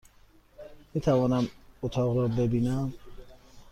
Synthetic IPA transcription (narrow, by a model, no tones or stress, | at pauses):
mit̪ʰævɒːnæmot̪ʰɒʁɾɔbebiːnæm